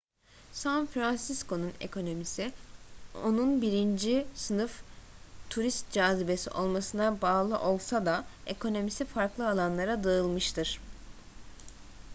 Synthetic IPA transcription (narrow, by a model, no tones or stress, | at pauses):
sanfɾansisko̞nune̞̰kʰo̞no̞misi | o̞nunbiɾind͡ʒisɯnɯft̪ʰuɾist̪̚d͡ʒaːzibe̞sḭʔo̞lˠmasɯnabaːlˠɯʔo̞lˠsad̪ae̞kʰo̞no̞misifaɾklˠɯalˠanlˠaɾad̪aɯlˠmɯʃt̪ʰɯɾ̥